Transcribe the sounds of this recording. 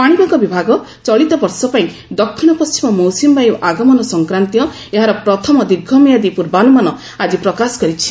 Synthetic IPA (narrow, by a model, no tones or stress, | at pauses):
paɽ̃ibaŋkɔbibʱaɡɔ | t͡ʃɔɭit̪ɔbɔɾsɔpaĩ | d̪ɔkʰːiɽ̃ɔpɔst͡ʃimɔmɔwsimbajuʔaɡɔmɔnɔsɔŋkɾant̪jɔ | eɦaɾɔpɾɔt̪ʰɔmɔd̪iɡʱːɔmijad̪ipuɾbanumanɔ | ad͡ʒipɾɔkasɔ̥kɔɾit͡ʃʰi̥